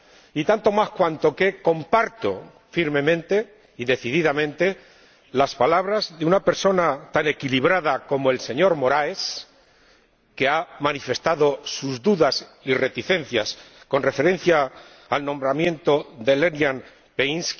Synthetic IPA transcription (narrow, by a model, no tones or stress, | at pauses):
it̪ant̪o̞maskwant̪o̞ke̞ko̞mpaɾt̪o̞̰ | fiɾme̞mẽ̞nt̪e̞ | iðe̞θiðiðamẽ̞nt̪e̞ | laspalaβ̞ɾazðeunape̞ɾso̞nat̪ane̞kiliβ̞ɾaðako̞moe̞lse̞ɲo̞ɾmo̞ɾaes | ke̞amanife̞st̪aðo̞suzðuðasire̞t̪iθe̞n̟θjas | ko̞nre̞fe̞ɾẽ̞n̟θjaː | lnõ̞mbɾamjẽ̞nt̪oðe̞le̞njan | peinsk